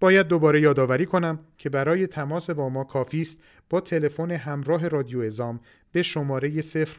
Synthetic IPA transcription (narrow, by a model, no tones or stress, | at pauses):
b̥ɒːjæd̪̚ːo̞bɒːɾe̞jɒːd̪ɒːvæɾiːkʰo̞næmcʰe̞bæɾɒːje̞t̪ʰæmɒːse̞bɒːmɒːkʰɒːfiːst̪ | b̥ɒːt̪ʰe̞le̞fo̞ne̞ɦæmɾɒːɦe̞rɒːd̪ijoe̞zɒːm | b̥e̞ʃo̞mɒːɾe̞je̞se̞fɾ